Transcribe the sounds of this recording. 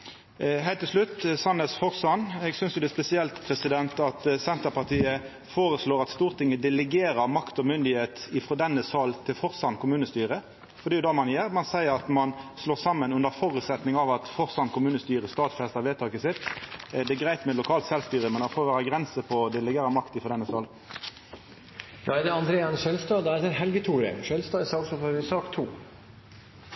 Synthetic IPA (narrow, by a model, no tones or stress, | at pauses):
ɦæɪt̪ːɪlʂlʉt̪ːsɑnəsfɔʁsɑnɛɡsʏnsjʊd̪ɛspɛsɪɛlt̪pʰʁɛsɪd̪ɛnt̪ɑt̪sɛnt̪əpɑʁt̪ʰiːə | foːʁəsloːʁɑt̪st̪uːʁt̪ɪŋːəd̪ɛlɛɡeːɾəɾmɑkt̪ɔmʏnd̪ɪheːt̪ɪfʁɔd̪ɛnːəsɑːlt̪ʰɪlfɔʁsɑnkʰʊmʉːnəst̪yːɾə | fɔd̪ɛjʊd̪ɑmɑnjeːɾmɑnsæɪəɾɑt̪mɑnsloːsɑmːənʉnd̪əfɔɾʉːt̪sɛt̪nɪŋɑʋɑt̪fɔʁsɑnkʰʊmʉːnəst̪yːʁəst̪ɑːt̪fɛst̪əɾʋeːt̪ʰɑːkəsɪt̪d̪ɛɡʁæɪt̪mɛlʊkʰɑːlt̪sɛlst̪yːɾəmɛnd̪ɑfɔːɾʋæːʁəɡʁɛnsəpʰɔd̪ɛlɛɡeːɾəmɑkt̪ɪfʁɔd̪ɛnːəsɑl | jɑd̪ɛɑnd̪ɾeːɛnʃɛlst̪ɑːd̪æɛɦɛlɡət̪ʰuːɾɛ̰ʃœlst̪ɑsɑːsɔfɔɾʋɪsɑːkt̪ʰuː